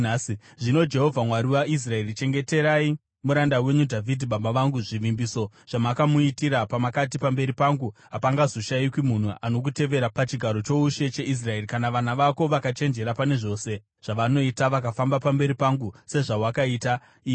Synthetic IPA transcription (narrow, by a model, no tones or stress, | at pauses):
si | ʐino̞d͡ʒe̞ɦo̞vʱamwaɾiwais̬rae̞rit͡ʃe̞ŋɡe̞te̞ɾai | muɾandawe̞ɲudʱavʱidʱiɓabaʋaŋɡuʐiʋimbiso̞ | ʐ̥amakamuitiɾapamakat̬ipambe̞ɾipaŋɡuɦapaŋɡazo̞ʃaikwimun̤uʔano̞k̬ute̞ʋe̞ɾapat͡ʃiɡʱaɾo̞t͡ʃo̞uʃe̞t͡ʃe̞ʔis̬rae̞rikanaʋanaʋako̞ʋakat͡ʃe̞nd͡ʒe̞ɾapane̞ʐo̞ːse̞ | ʐ̥aʋano̞itaʋakafambapambe̞ɾipaŋɡuse̞ʐawakaiːta | i